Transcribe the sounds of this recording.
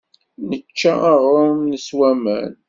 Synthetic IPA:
nət͡ʃːaaʁomnəswæmə̰n

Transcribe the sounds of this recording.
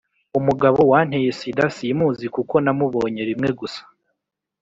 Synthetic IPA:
umuɡaβo̞waːn̥hejesidasimuːzikuko̞namuβo̞ːɲe̞ɾimŋe̞ɡusḁ

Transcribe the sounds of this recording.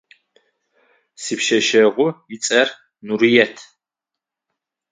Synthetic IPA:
sipʃɐʃɐʁʷʊit͡sʼɐr | nuɾijɛtʰ

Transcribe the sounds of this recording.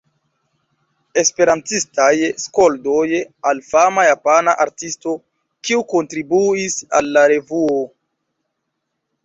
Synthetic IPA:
e̞spe̞ɾantistajsko̞ldojalfamajapanaʔaɾtisto̞ | kiuko̞ntɾibuisa̰lːaɾe̞vuo

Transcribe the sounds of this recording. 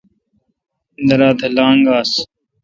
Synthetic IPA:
nəɾaːt̪ʰəlãːŋɡaːs

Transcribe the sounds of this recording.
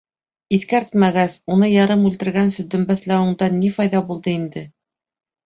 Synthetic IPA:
iθkæɾt̪mæɡæsunɤjɑɾɤmʉlt̪ɘ̆ɾɡænsɵ̆d̪ɵ̆mbæθlæwɘ̆ɴd̪ɑnːifɑjðɑbulˠd̪ɤind̪ɘ

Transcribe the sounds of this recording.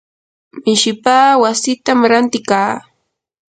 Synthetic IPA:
mɪʃɪpaːwasɪt̪amɾant̪ɪkaː

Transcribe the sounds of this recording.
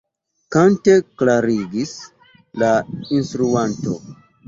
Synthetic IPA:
kante̞klaɾiɡis | lainstɾuanto̞̰

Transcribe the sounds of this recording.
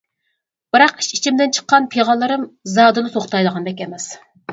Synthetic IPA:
b̥ɨɾɑqi̥ʃi̥t͡ʃʰimd̪ɪnt͡ʃʰə̥qːɑnpʰeʁɑlˠːɨɾɨmzɑːd̪ɨlˠɨt̪ʰoχt̪ɑjlˠəʁɑnb̪ɛkʲɛmɛs

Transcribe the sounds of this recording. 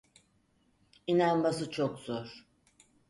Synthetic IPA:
inanmas̬ɯt͡ʃʰokz̥oɾ̥

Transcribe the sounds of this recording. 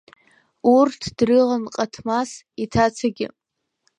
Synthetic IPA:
urtʰd̥rɨʁanqʼatʰmas | itʰat͡sʰaɡʲɪ̰

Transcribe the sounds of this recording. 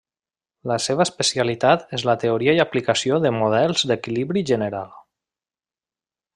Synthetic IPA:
ləseβəːspəsialit̪at̪ezlət̪eoɾiajaplikəsioðəmuðɛlˠzd̪əkiliβɾiʒənəɾalˠ

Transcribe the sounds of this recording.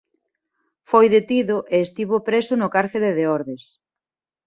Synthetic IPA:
fojðet̪iðʊʔeːst̪iβopɾesʊnʊkaɾθeleðeɔɾðes

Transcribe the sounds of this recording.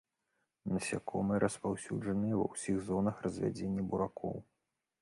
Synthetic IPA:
nɐsʲakʰɔmɨɾʔɐspawsʲud͡ʐɐnɨjɛvɐ̰wsʲiɣzɔnɐxrɐzʲvʲa̰d͡zʲenʲːibuɾakʰɔ̰w

